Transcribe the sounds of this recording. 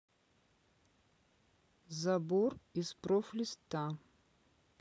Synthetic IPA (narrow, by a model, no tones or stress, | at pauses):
zaborispɾoflʲist̪ʰːa